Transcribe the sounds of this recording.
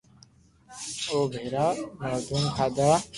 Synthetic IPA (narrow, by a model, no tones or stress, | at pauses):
oːbʱeːɾaːmaːd̪unkʰaːd̪a